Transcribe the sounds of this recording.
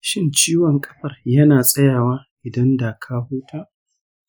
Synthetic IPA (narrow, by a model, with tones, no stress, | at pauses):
ʃɪ˦nt͡ʃiː˦wɔ˨ŋkʼɐ̥˦ɸɐ˨rjɐ˦naː˨sʼɐ˦jaː˨waː˦ʔɪ˨dɐ˦ndaː˨kʰaː˦huː˦tʰaː˦ʔ